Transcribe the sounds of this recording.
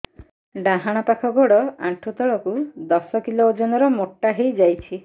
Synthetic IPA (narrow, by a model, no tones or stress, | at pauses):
ɖãɦaɽ̃ɔpakʰɔɡoɽɔaʈʰut̪ɔɭɔkud̪ɔsɔkiloːd͡ʒɔnɔɾɔmoʈːaɦejd͡ʒajt͡ʃʰi